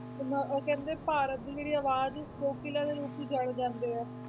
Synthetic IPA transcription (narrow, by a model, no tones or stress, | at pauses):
nəkɛ̃ːnd̪eːpaːɾət̪̚d̪iːd͡ʒeːɽiːaːʋaːd͡ʒboːkɪlãːd̪eːɾuːpid͡ʒəɽd͡ʒãːnd̪eːɛː